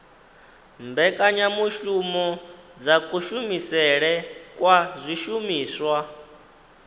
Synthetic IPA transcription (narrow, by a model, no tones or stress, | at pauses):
mbɛkʼaɲamuʃumɔd͡zakʼuʃumisɛɺɛkʼwazʷiʃumiːswa